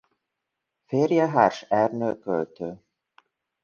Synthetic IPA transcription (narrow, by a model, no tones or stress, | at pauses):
fɪɾjɛɦa̰ɾ̥sɛɾnʏkœɥt̪ʏ